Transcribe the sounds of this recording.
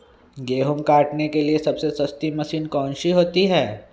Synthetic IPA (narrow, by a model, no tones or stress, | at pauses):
ɡeːɦʊmkaːʈnekeliesɐbsesɐst̪imɐsiːnkɔ̃ːnʃiɦoːt̪iɦɛː